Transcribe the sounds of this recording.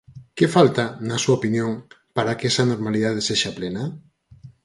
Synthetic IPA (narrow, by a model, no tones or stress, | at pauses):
kefalt̪anɐsuaopinjoŋ | paɾakɛsɐnoɾmaliðað̞eseʃaplenɐ